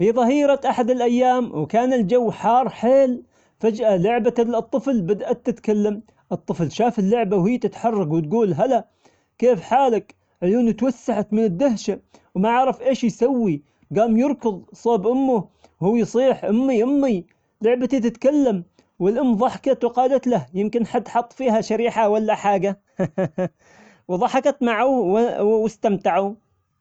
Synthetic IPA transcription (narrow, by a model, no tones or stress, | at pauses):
fiðˤɑɦiːɾˤɑt̪ʔaħad̪ɪlʔajːaːmwkaːnɪld͡ʒawːħɑːrˤħeːl | fad͡ʒʔalʊʕbat̪lɨt̪ˤːɨflbad̪ʔat̪ːɪt̪kalːam | ʔɨt̪ˤːɨflʃaːfɪlːʊʕbawhɪːt̪ɪt̪ħɑrˤːɑɡwɪt̪̚ɡuːlɦala | keːfħaːlak | ʕluːnut̪wasːaħat̪mɪnɪd̪ːʊhʃa | wmaʕaʕɾɑfʔeːʃjsawːi | ɡaːmjɨɾkʊðˤsˤɑːbʔʊmːʊ | huːjsˤiːħʔʊmːiʔʊmːi | lʊʕbat̪it̪ɪt̪kalːam | wɪlʔʊmːðˤɑħkɑt̪wqɑːlat̪lahjɪmkɪnħad̪ħɑt̪ˤːfiːhaʃaɾiːħawalːaħaːɡa | wðˤɑħɑkɑt̪maʕuwwwɪst̪amt̪aʕu